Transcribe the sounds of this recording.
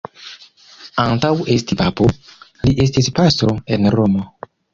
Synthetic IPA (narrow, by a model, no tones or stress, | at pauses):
antawestipapoliʔes̬tispast̪ɾoenɾomo